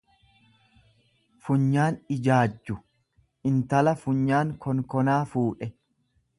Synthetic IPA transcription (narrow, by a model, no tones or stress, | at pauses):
fʊɲːaːnɪd͡ʒaːd͡ʒːʊ | ʔɪnt̪ɐlɐfʊɲːaːŋkʰɔŋkɔnaːfuːᶑɛ